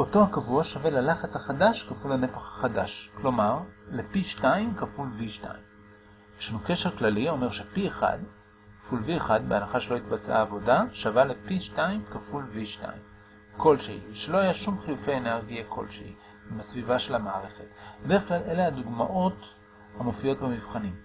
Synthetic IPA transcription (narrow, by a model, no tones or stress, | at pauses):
o̞to̞hakavuaʃave̞lalaχat͡shaχadaʃkafulane̞faχhḁχadaʃklo̞maʁlepiʃtaimkafulviʃta̰im | ʃanuke̞ʃeʁklalio̞me̞ʁʃepieχa̰d | kḁfulvieχad̚beanaχaʃelo̞itbat͡sa̰ːvo̞daʃavalepiʃtaimkafulviʃta̰im | ko̞lʃehiʃelo̞ajaʃumχijufe̞jeneʁɡijakʰo̞̰lʃḛḭ | imasvivaʃe̞lamaːʁe̞χe̞tbed̪e̞ʁeklalʔe̞leaduɡmaʔo̞t | hamo̞fijo̞t̚bemivχanim